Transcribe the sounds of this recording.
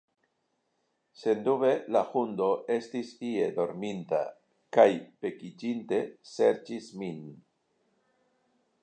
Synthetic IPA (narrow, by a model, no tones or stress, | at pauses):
se̞nd̪uβe̞laxundo̞e̞stisie̞d̪o̞ɾminta̰ | kajpe̞kid͡ʒinte̞se̞ɾt͡ʃismin